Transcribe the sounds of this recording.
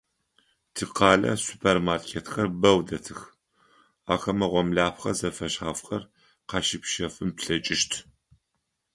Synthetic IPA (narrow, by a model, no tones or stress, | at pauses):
tʰɨqɑːlɐ̰supʰermarkʰeːtxɐrbɐwdɐtʰɨx | aːxɐmɐʁʷɔmɮaːpxɐzɐfɐʃħaːfxɐr | qɑʃɪpʃɐfɨmpɬɐt͡ʃʼɪʃtʰ